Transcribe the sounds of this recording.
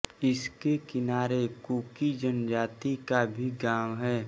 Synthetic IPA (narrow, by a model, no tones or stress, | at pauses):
ɪskekɪnaːɾekuːkid͡ʒənd͡ʒaːt̪ikabʱiɡaːmɦɛː